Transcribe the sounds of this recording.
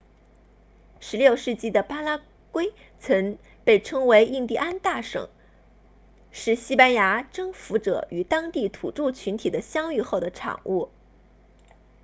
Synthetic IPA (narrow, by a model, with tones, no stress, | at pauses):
ʂɻ̩˧˥ljo˥˧ʊʂɻ̩˥˧t͡ɕi˥˩d̪ə˩pa˥la˥ | kwe˥ɪ | t͡sʰɤ˧˥ŋ | pe˥˩ɪʈ͡ʂʰɤ˥ŋwe˧˥ɪʔi˥˧ŋt̪i˥˩ʔa˥nt̪a˥˩ʂɤ̰˨˩˦ŋ | ʂɻ̩˥˩ɕi˥pa˥nja˧˥ʈ͡ʂɤ˥ŋfu˧˥ʈ͡ʂɤ̰˨˧˩y˨˩t̪ɑ˥ŋt̪i˥˩t̪ʰṵ˨˩ʈ͡ʂu˥˩t͡ɕʰy˧˥nt̪ʰi˨˩d̪ə˦ɕjɑ˥ŋy˥˧xo˥˩ʊd̪ə˩ʈ͡ʂʰɑ̰˨˩ŋʔu˥˩